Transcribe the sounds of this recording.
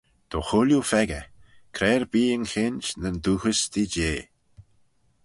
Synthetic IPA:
d̪̥oxʊljufɛɡəkʰɾɛːɹbiːənxɪnʲt͡ʃnənd̪uːxəsd̪id͡ʒeː

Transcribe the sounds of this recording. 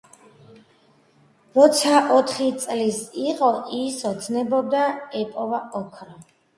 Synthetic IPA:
ɾɔt̪sʰaʔɔt̪ʰχit̪sʼlisiqʼɔʔisɔt̪sʰnɛbɔb̚d̪aɛpʼɔvaɔkʰɾɔ

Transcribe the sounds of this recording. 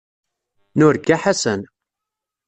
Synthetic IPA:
nʊɾɡaħasən

